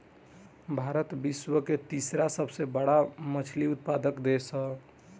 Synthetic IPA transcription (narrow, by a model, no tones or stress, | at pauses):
bʱaɾət̪biswəket̪isɾasəbʱsebəɽ̤amət͡ʃʰliut̪̚pad̪əkd̪esə